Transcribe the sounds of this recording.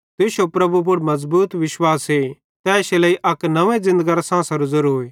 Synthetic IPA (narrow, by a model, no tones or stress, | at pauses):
t̪ɪʃopɾɐbup̬ʊɽmɐzbuːt̪ʋɪʃwaːse | t̪ɛːʃelɐiʔɐknɐʋẽzɪ̃nd̪əɡaɾasãːsɐɾʊzɐɾɦoe